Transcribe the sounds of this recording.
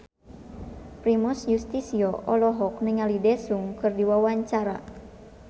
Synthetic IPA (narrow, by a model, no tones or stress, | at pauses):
pɾimɔsjust̪isiɔʔɔlɔɦɔk̚nɪŋalidɛsuŋkɨrdiwawaɲt͡ʃaɾa̰